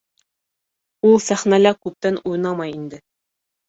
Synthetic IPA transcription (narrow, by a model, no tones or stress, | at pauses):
ulˠsæχnælækʉp̚t̪ænuj̆nɑmɑjind̪ɘ